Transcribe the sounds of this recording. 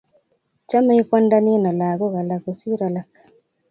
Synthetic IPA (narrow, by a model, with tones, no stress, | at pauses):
t͡ʃa˦ma˦i˦kwa˦nda˦ni˦nɔ˨la˨ɣo˦ɣa˨la˨ko˨si˦ɾa˨la˨kḁ